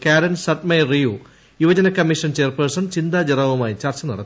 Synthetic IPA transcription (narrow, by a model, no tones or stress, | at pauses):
kaːɾɐnsɐʈmejrijuː | juʋɐd͡ʑɐnɐkːɐmːiʂɐnt͡ɕe̞ːrpersɐnt͡ɕind̪aːd͡ʑɐrɐʋumaːjt͡ɕɐrt͡ɕɐnɐ̰ɽɐ̰t̪ː